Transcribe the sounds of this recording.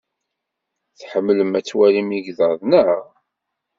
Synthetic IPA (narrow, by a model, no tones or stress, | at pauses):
θħəmːləmæt͡sːwælimiɡðəðˤnəʁ